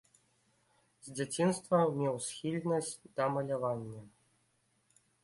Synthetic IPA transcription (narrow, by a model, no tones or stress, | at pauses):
zʲd͡zʲat͡sʲinst̪vɐmʲɛwsxʲilʲnɐsʲt͡sʲd̪̥ɐmɐlʲavanʲːɐ